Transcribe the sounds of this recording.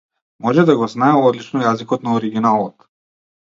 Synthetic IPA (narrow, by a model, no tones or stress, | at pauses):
mɔʒɛd̪aɡɔznaɛɔd̪lit͡ʃnɔjazikɔt̪naɔɾiɡʲinalˠɔt̪